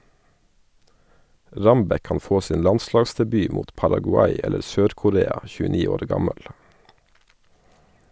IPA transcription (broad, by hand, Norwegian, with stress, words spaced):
ˈɹɑmbɛ ˈkɑːn ˈfoː ˈsiːn ˈlɑnˌslɑːɡsdɛˌbyː ˈmuːt pɑɾɑɡʊˈɑɪ ˈɛləɾ ˈsøːɾkʊˌɾeːɑ çʉːəˈniː ˈoːɾ ˈɡɑməl